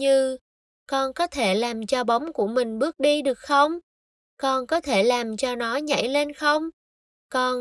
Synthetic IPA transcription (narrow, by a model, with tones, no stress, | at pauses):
ɲɨ˧ | kɔ˧nkɔ˨˦t̪ʰe˧˩laː˨˩mt͡ɕɔ˧ɓə˨˦wŋ͡mku˧˩əmï˨˩ŋ̟ɓɨ˦˥ək̚ɗi˧ɗɨ˨˩ək̚xə˧wŋ͡m | kɔ˧nkɔ˨˦t̪ʰe˧˩laː˨˩mt͡ɕɔ˧nɔ˨˦ɲa̰˧˩jle˧nxə˧wŋ͡m | kɔ˧n